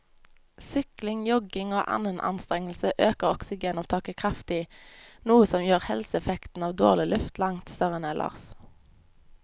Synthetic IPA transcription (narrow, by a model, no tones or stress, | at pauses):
sʏklɪŋjɔɡɪŋoːʔɑ̰nənʔɑ̰nst̪ʁɛŋl̩səʔøːkəʁɔksɪɡeːnɔʋt̪ʰɑːkəkʰʁɑft̪ɪnuːəsɔmjøːʁhɛ̰lsəɛfɛkt̪n̩ɑːʋd̪o̰ːʁlɪlʔʉft̪lɑŋt̪st̪œʁəneːlʔɑ̰ʁs